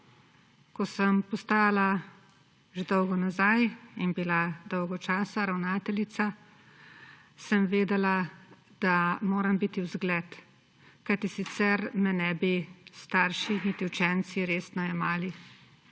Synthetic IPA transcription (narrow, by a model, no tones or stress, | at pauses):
kɔsəmpɔst̪aːjala | ʒed̪ɔwɡɔnazajinbilad̪ɔwɡɔt͡ʃaːsaɾawnaːt̪ɛlit̪sa | səmʋeːd̪ɛla | d̪̥amoːɾɐmbit̪iwzɡlɛt̪ | kajt̪isit̪sɛɾmɛnɛbist̪aːɾʃinit̪iwt͡ʃɛnsiɾeːst̪nɔɛmaːli